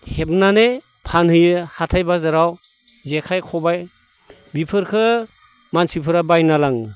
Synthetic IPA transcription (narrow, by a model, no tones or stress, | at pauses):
hep̚nane | pʰanhɯjɯhatʰajbazaɾaw | zekʰajkʰɔbaj | bipʰɯɾkʰɯ | mansipʰɯɾabajnalaŋ